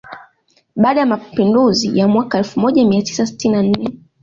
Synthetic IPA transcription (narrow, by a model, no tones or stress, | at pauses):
ɓaːɗajamapinduzijamwakaɛlfumɔʄamiati̥sasi̥tininan̩nɛ